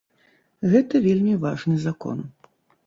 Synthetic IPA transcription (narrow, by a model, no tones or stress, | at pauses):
ɣɛt̪ɐvʲelʲmʲivaʐnɨzakɔ̰n